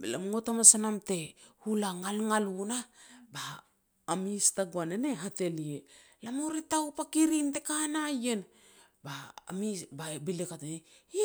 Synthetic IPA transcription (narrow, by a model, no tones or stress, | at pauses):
lamŋo̞tamasanamte̞hulaŋalŋalunabaː | mistaɡuanene̞ɦate̞lie | lamoɾitawpakiɾintekanaje̞n | ba̰ːmibabilekatene